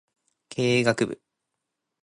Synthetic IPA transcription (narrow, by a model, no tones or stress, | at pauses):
kʰe̞ːɡakɯ̟bɯ̰